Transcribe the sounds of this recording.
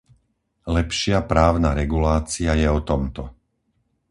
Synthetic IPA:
lɛpʃɪapɾaːʊnaɾɛɡulaːt͡siajɛɔt̪ɔmt̪ɔ

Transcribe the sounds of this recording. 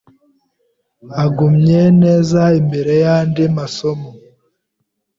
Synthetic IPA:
aɡumɲeneːzaimbe̞ɾe̞jaːndimasomo

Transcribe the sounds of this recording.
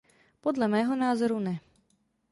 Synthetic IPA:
podlamɛːɦɔnaːzoɾunɛ

